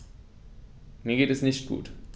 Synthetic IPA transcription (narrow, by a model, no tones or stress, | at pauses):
miːɐɡeːtɛsnɪʃt̚ɡ̥ṵːt